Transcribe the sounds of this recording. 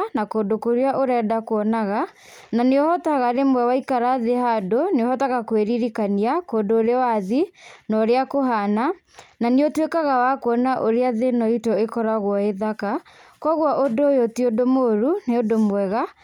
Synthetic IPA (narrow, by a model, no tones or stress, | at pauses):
nakoːdokoɾeaʔoɾɛːdakoɔnaɣa | naneɔhɔtaɣaɾemwɛwaikaɾaðehadoneɔhɔtaɣakweɾiɾikaniakoːndoːɾeawaðinɔɾeakoɦana | naneotwekaɣawakwɔnaʔoɾeaðenɔitɔekɔɾaɣwɔeðaka | kwɔɣwaʔodojotiodomoɾuneodomwɛɣa